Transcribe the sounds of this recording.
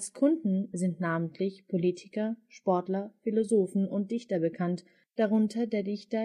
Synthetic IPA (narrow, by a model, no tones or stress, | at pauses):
askʰʊndn̩zɪntnaːməntʰlɪçpʰoliːtʰɪ̥kɐʃpɔɐtlɐfilozoːfn̩ʊnt̚d̥ɪçtɐbəkʰant | d̥aʁ̞ʊntʰɐdeːɐdɪçtɐ